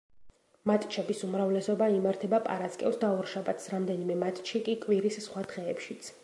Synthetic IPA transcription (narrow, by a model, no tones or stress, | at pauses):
mat̪ʼt͡ʃʰɛbisumɾavlɛsɔbaimaɾt̪ʰɛbapʼa̰ɾaskʼɛ̰lsd̪aɔɾʃabat̪ʰsɾamd̪ɛnimɛmat̪ʼt͡ʃʰikʼikʼwiɾissχwad̪̥ʁɛːpʃit̪sʰ